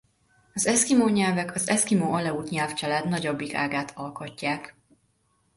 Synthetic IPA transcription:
ɒzɛskimoːɲɛlvɛkʰɒzɛskimoːɒlɛuːt̪ɲɛlft͡ʃɛlaːd̪nɒɟobːika̰ːɡaːt̪ʰɒlkocːaːk

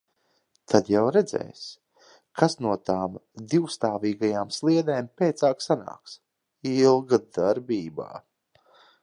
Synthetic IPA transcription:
t̪ʰad̪jawɾɛd̪zɛ̰js | kʰasnuɔt̪aːmd̪iwst̪aːviːɡajaːmslˠiɛd̪eːmpʲɛːt̪saːksana̰ːks | ilˠɡad̪aɾbʲiːba̰ː

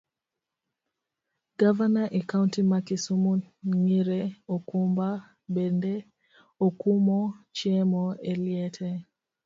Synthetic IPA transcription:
ɡ̥avanaʔɛkauntimakisumuŋiɾɛokumba | bɛndɛ | okumɔt͡ʃɛmɔɛliɛtʰɛ

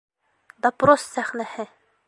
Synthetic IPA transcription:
d̪ɐpɾosːæχnæhɘ

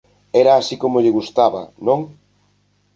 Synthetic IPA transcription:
ɛɾaːsikomoʎɪɣust̪aβɐ̰nõŋ

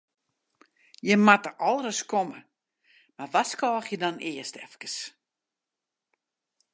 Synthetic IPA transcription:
jəmatəʔɔlˠrəskomə | marʋaskɔːxjədɔnɪəstɛfkə̥s

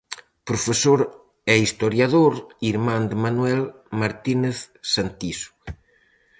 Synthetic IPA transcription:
pɾofesoɾ | ɛist̪oɾjaðoɾiɾmãnd̪manwɛl | maɾt̪ineθ | sant̪isu̥

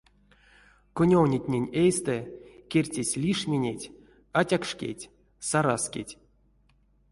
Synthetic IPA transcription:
konʲownʲetʲnʲenʲejst̪ɛkʲerʲtʲesʲlʲiʂmʲenʲetʲ | atʲakʂkʲḛtʲ | saɾaskʲḛtʲ

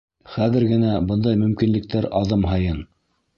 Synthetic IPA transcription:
χæðɘ̆ɾɡɘ̆næbɤnd̪ɑjmɵ̆mkinlɘ̆k̚t̪æɾɑðɤmɦɤjɤn

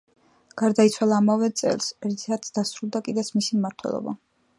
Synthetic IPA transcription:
ɡ̥aɾd̪ait̪sʰwalˠaːmavɛt̪sʼɛ̰lˠsɛɾt̪iat̪sd̪asɾulˠd̪akʼid̪ɛt̪sʰmisimmaɾt̪ʰwɛ̰lˠɔ̰ba̰

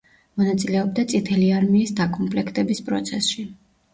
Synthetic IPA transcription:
mɔnat̪sʼilɛɔbd̪at̪sʼit̪ʰɛliaɾmiːsd̪akʼɔmpʰʼlɛkʰt̪ʼɛbispʼɾɔ̰t̪sʰɛsʃi

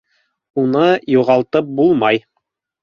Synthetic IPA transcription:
unɤjuʁɑlˠt̪ɤp̚bulˠmɑj

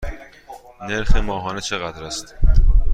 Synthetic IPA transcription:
neɾxemɒːɦɒːnet͡ʃʰe̞ɣæd̪ɾæst̪

